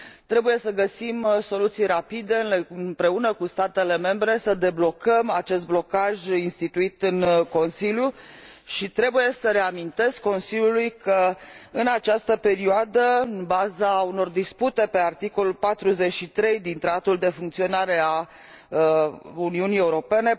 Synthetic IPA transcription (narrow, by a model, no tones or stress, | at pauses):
t̪ɾe̞buje̞səɡəsimso̞lut̪sijɾapid̪e̞ɨnlɨnpɾe̞unəkust̪at̪e̞le̞me̞mbɾe̞səd̪e̞blo̞kəmat͡ʃe̞s̬t̪̚blo̞kaʒinst̪it̪uit̪ɨŋko̞nsiljuʃit̪ɾe̞buje̞səɾe̞amint̪e̞skːo̞nsilʲjulujkʰəɨnat͡ʃast̪əpe̞ɾioad̪əɨnbazauno̞rd̪isput̪e̞pe̞art̪iko̞lulpat̪ɾuze̞t͡ʃʃit̪ɾe̞jd̪int̪ɾat̪at̪uld̪e̞fuŋkt̪sio̞naɾe̞a | əuniunijeuɾo̞pe̞ne̞